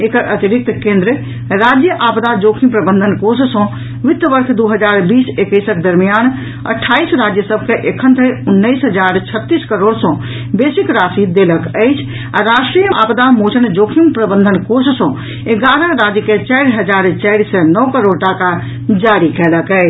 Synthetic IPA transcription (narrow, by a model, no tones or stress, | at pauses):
ekʔɐt̪ɪɾɪk̚t̪kẽːnd̪ɾə | ɾaːd͡ʒjəʔaːpd̪ad͡ʒoːkʰĩmpɾɐbə̃nd̪ʱənkoːɾs̬sɔ̃ | ʋɪt̪ːəʋəɾkʰd̪uːɦɐd͡ʒaːɾbiːsekəɪsək̚d̪ɐɾmijaːn | ɐ̰ʈʰːaːiːsɾaːd͡ʒjəsəb̚ʱkʰeʔekʰə̃nt̪ʰeʊnːəisɦɐd͡ʒaːɾt͡ʃʰɐt̪ːiːskɐɾoːɽsɔ̃ | beːsɪkɾaːsid̪eːləkəɪt͡ʃʰ | ãɾaːʃʈɾijəʔa̰ːpd̪amoːt͡ʃʰənd͡ʒoːkʰĩmpɾɐbə̃nd̪ʱənkoːɾssɔ̃ | eɡaːɾənɾaːd͡ʒjəket͡ʃaːɽɦɐd͡ʒaːɾt͡ʃaːɽisɛnɔːkəɾoːɽʈaka | d͡ʒaːɾikʰɛːləkɛː